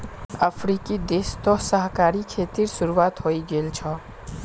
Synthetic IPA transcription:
əpʰɾikid̪est̪ɔsəɦkaɾikʰet̪iɾsuɾuat̪ɦoiɡelt͡ʃʰɔ

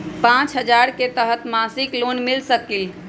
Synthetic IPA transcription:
pãt͡ʃɦəd͡ʒaɾket̪əɦət̪masiklonmilsəkil

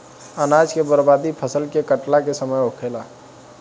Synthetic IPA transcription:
ənad͡ʒkebəɾbad̪ipʰəsəlkekəʈlakesəməjokʰela

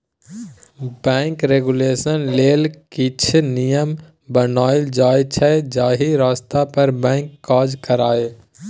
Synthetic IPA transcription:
bɛ̃ːŋkɾeːɡʊleːsənleːlkit͡ʃʰnijəm | bənaːɪld͡ʒaːjt͡ʃʰɛd͡ʒaːɦiɾaːst̪apəɾbɛ̃ːŋkːaːd͡ʒkəɾaːeː

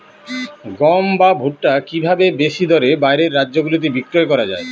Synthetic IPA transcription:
ɡɔmbabʱuʈːakibʱabebeʃid̪ʱɔɾebajɾeɾːadːʑoɡulit̪̬ibikːɾoekɔɾad͡ʑa̰e

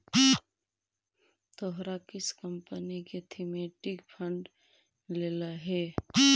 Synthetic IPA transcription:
t̪oɦɾakɪskəmpəniket̪ʰimeʈɪkpʰəɳɖ | lelaɦɛ

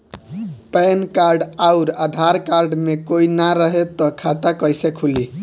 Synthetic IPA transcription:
pɛnkaɾɖaʊɾad̪ʱaɾkaɾɖmekoinaɾəɦet̪ɔkʰat̪akəjsekʰuli

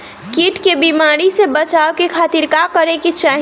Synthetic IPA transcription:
kiʈkebimaɾisebət͡ʃaokekʰaːt̪iɾkakəɾeket͡ʃaːɦ

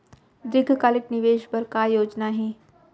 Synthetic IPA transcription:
d̪ɾɪɡʱkaːlɪknɪʋeːʃbəɾkajoːd͡ʒnaɦẽː

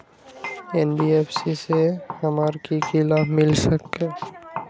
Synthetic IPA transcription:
ɛːnɖieːpʰsisehɐmaːɾkikʰɪlaːfmɪlsəkːe

